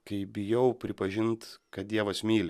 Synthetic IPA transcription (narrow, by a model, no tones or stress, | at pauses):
kɐɪbʲɪjɛʊpʲɾʲɪpɐʒʲɪnt̪kɐt̪̚d̪ʲiɛʋɐsmʲiːlʲɪ